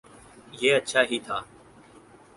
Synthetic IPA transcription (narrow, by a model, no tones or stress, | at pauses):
jeːətːʃʰaːɦiːt̪ʰaː